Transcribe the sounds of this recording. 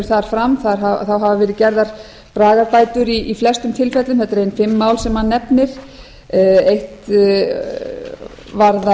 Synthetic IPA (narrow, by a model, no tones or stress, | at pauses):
ɾ̥θaɾ̥fɾamθaɾɦaθawɦavavɛːɾɪðcɛɾðaɾ̥ | pɾaːɣaɾpaːjt̪ʏɾiːflɛst̪ʏmt̪ʰɪlfɛt̪lʏmθɛt̪aɾejnfɪmːaːwlsɛmhanːɛpnɪɾ̥ | ejht̪ | vaɾða